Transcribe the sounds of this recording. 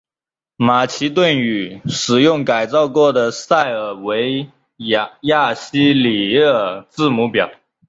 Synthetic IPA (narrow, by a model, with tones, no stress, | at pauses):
ma˨˩t͡ɕʰi˧˥t̪̬wə˥˩ny˨˩ʂɻ̩˨˩jʊ˥˩ŋka˨˩ɪt͡sɑ˥˧ʊkwɔ˥˩d̪ə˩sa˥˩ɪə˨˩we˧˥ɪ | ja˥˩ɕi˥li˨˩ə˥˩t͡sɹ̩˥˧mu˧˥pjɑ˨˩˦ʊ